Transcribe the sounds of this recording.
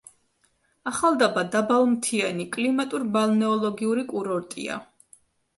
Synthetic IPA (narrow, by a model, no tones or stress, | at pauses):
aχalˠd̪abad̪abalˠmt̪ʰiɛnikʼlimat̪ʼuɾbalnɛɔlˠɔɡiuɾikʼuɾɔɾt̪ʼḭa̰